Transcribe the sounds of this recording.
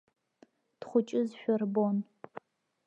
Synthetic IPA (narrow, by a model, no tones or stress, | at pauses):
tχʷʊt͡ʃʼɪzɕʷᶣɔrbon